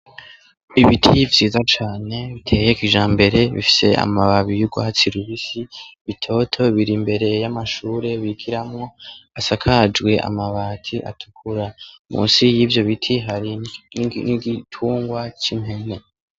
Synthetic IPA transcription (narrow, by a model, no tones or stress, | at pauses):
iβitʰivjiːzat͡ʃaːne̞βitʰe̞ːjekiʒaːmbe̞ɾe̞βḭfi̥se̞a̰maβaβijuɡwaat͡siɾuβisiβitʰo̞tʰo̞βiɾimbe̞ɾe̞jamaʃuːɾe̞βiɡiɾamŋo̞asakʰad͡ʒɡwe̞ʔa̰maβaːtʰiʔa̰tʰu̥kʰuɾamṵːnsijiːvjo̞βitʰiɦaɾiniɡitʰuːŋɡwat͡ʃimhe̞ne̞